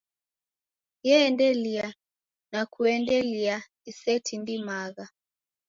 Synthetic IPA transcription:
jɛːndɛlia | nakʰuɛndɛlia | isɛtʰindimaɣa

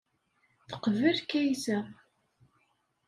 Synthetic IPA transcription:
θə̥qvəlkæjsæ

